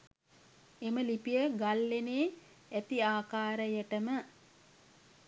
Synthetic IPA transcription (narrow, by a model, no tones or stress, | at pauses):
eməlipijəɡalːeneː | æt̪iaːkaːɾəjəʈəmə